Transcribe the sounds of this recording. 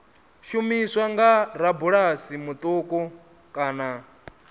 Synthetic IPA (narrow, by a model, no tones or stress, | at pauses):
ʃumiswaŋɡaɾabuɺasimut̪ʼuːkʼɔ | kʼaːna